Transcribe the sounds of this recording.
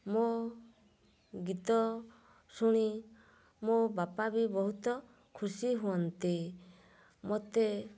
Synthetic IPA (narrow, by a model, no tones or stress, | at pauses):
mo | ɡit̪ɔ | suɽ̃i | mobapabibɔɦut̪ɔ | kʰusiɦuɔnt̪i | mot̪e